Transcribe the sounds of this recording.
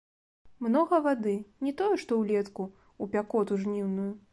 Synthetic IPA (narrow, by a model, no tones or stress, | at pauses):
mnɔɣɐvad̪ɨnʲɛt̪ɔjɛʂt̪ɔwlʲɛt̪ku | upʲakɔt̪uʐnʲiwnuju